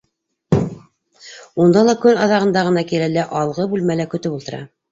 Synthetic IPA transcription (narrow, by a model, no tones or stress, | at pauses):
und̪ɑlˠɑkɵnɑðɑʁɤ̆nd̪ɑʁɤ̆nɑkilælæʔɑlˠʁɤbʉlmælækɵ̆t̪ɵpulˠt̪ɤ̆ɾɑ̰